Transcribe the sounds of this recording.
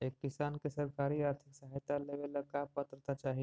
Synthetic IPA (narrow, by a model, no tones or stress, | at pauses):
ekːɪsankesəɾkaɾiaːɾt̪ʰɪksəɦajt̪aleʋelakapːət̪ɾət̪at͡ʃaːɦie